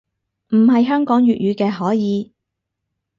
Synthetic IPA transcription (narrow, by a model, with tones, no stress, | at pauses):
m̩˨˩ɦɐ˨jɦœː˥ŋkɔː˨˥ŋjyː˨t̚jyː˨˧kɛː˧ɦɔː˨˥jiː˨˧